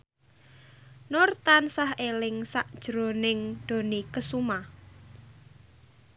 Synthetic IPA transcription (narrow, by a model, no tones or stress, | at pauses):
nɔrt̪ansahelɪŋsaʔd̥ʒ̥ɾo̤nɪŋd̪̥o̤nikəsuma